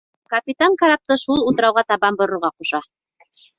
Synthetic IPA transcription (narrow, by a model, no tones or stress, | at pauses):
kɐpʲit̪aŋkaɾap̚t̪ɤʃulˠut̪ɤ̆ɾɑwʁɑt̪ɑβɑmbŏɾŏɾʁɑquʃɑ